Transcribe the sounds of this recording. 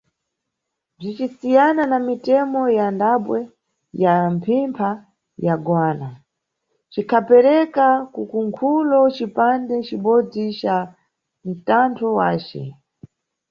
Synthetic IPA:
b͡ʐit͡ʃisijananamitɛmɔjandaɓwɛ | jampʰimpʰa | jaɡwaːna | t͡ʃikʰapɛɾɛkakukuŋkʰulɔt͡ʃipandɛt͡ʃiɓɔd͡zit͡ʃa | n̩tantʰɔwaːt͡ʃɛ̰

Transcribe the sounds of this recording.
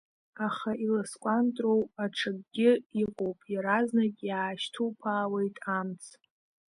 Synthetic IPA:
aχailaskʷʼantʼrowaʈ͡ʂʰaɡ̚ʼɡʲɪiqʼowpʼjaɾaznakʲʼjaːʃtʰupʰaːwe̞jtʼamt͡sʰ

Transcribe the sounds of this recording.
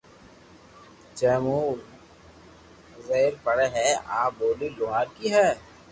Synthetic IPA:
t͡ʃeːmuː | zeːɾpəɽeɦɛaːboːlilʊɦaːɾkiɦɛː

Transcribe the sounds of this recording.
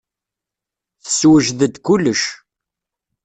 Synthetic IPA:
θə̥swəʒðəd̪kʊlːəʃ

